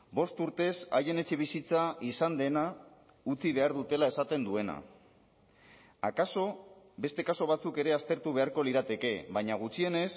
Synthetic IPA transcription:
bo̞st̪uɾt̪e̞sa̰je̞ne̞t͡ʃe̞β̞isit͡saisand̪e̞na | ut͡siβ̞e̞aɾðut̪e̞lae̞sat̪e̞nd̪ue̞na̰ | a̰kaso̞ | be̞st̪e̞kaso̞βat͡suke̞ɾe̞ast̪e̞ɾt̪uβ̞e̞aɾko̞liɾat̪e̞ke̞βajɲaɣ̞ut͡ʃie̞ne̞s

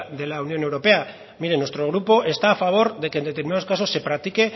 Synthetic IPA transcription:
ðe̞launjo̞newɾo̞pe̞a | miɾenwe̞st̪ɾo̞ɣ̞ɾupo̞ʔe̞st̪aːfaβ̞o̞ɾðe̞keːnet̪eɾminaðoskaso̞sːe̞pɾak̚t̪ike̞

